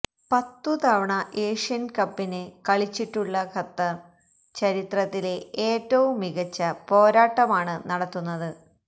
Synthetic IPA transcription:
pɐt̪ːut̪ɐʋɐɳɐʔe̞ːʂijɐnkɐpːinekɐɭit͡ɕːiʈːuɭːɐkʰɐt̪ːɐ | t͡ɕɐɾit̪rɐt̪ːile̞eːtːɐʋumːiɣɐt͡ɕːɐpo̞ːɾaːʈːɐmaːɳɨnɐɽɐt̪ːunːɐðɨ

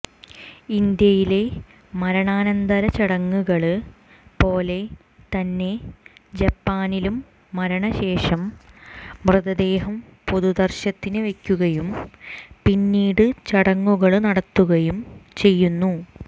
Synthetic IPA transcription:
ind̪jɐjile̞ | mɐɾɐɳaːnɐnd̪ɐɾɐt͡ɕɐɽɐŋːuɣɐɭɨ | po̞ːle̞ | t̪ɐnːe̞d͡ʑɐpːaːnilumː | ɐɾɐɳɐɕe̞ːʂɐmː | rɨðɐd̪e̞ːɦɐm | po̞ðud̪ɐrɕɐt̪ːinɨʋe̞kʲːuɣɐjumpinːiːɽɨt͡ɕɐɽɐŋːuɣɐɭnɐɽɐt̪ːuɣɐjumt͡ɕe̞jːunːu

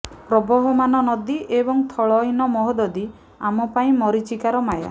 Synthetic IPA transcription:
pɾɔbɔɦɔmanɔnɔd̪iʔebɔŋt̪ʰɔɭɔjnɔmɔɦɔd̪ɔd̪i | amɔpaĩmɔɾit͡ʃikaɾɔmaja̰

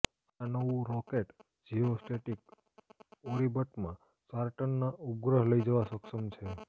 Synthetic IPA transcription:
anəʋũɾɔkeʈ | d͡ʒiosʈeʈik | oɾibəʈmã | saɾʈənːaʔʊp̚ɡɾəɦləid͡ʒəʋasəkʃəmt͡ʃʰe

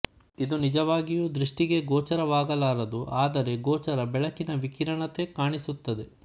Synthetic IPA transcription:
id̪unid͡ʒɐʋaːɡijuːd̪ɾiʂʈiɡe̞ɡɔːt͡ʃɐɾɐʋaːɡɐlaːɾɐd̪uʔaːd̪ɐɾe̞ɡoːt͡ʃɐɾɐbɛɭɐkinɐʋikiɾɐɳɐt̪e̞kaːɳisut̪ːɐd̪e̞

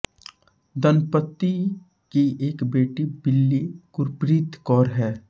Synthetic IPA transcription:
d̪ənpət̪ːi | kieːkbeːʈibɪlːikʊɾpɾit̪kɔːɾɦɛː

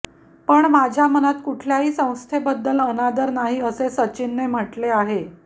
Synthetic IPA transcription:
pəɳmad͡ʑʱjamənat̪kuʈʰljaɦiːsə̃w̃st̪ʰebəd̪ːələnad̪əɾnaɦiːəsesət͡ɕinːem̤əʈleaɦe

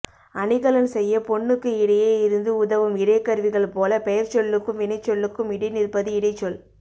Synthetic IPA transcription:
ʔɐɳɪɣɐɭɐnsɛjːɐpɔɳːɯkːɯɪɽɐjeːɪɾɯnd̪ɯʊðɐʋɯmɪɾɐɪkːɐɾʋɪɣɐɭpoːlɐpɛjɐɾt͡ʃɔɭːɯkːɯmʋɪnɐɪt͡ʃːɔɭːɯkːɯmɪɽɐɪnɪɾpɐðɯɪɽɐɪt͡ʃːɔl

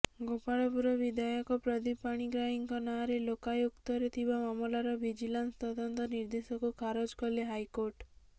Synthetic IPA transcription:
ɡopaɽɔpuɾɔbid̪ʱajɔkɔpɾɔd̪ipaɽ̃iɡɾaɦiŋkɔnaɾelokajokt̪ɔɾet̪ʰibamamɔlaɾɔbid͡ʒilanst̪ɔd̪ɔnt̪ɔniɾd̪esɔkukʰaɾɔd͡ʒkɔleɦajkoɾʈ

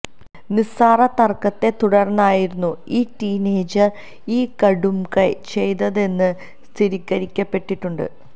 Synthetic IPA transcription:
nisaːrɐt̪ɐrkːɐt̪ːe̞t̪uɽɐrnːaːjiɾunːuiːʈiːneːd͡ʑɨ | iːkɐɽumkɐjt͡ɕe̞jt̪ɐðe̞nːɨ | st̪ʰiɾikʲːɐɾikʲːɐpːe̞ʈpːiʈːuɳɖɨ̰

